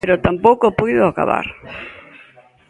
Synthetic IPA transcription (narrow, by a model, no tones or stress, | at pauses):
eɾot̪ampowkopujðoaka̰βa̰ɾ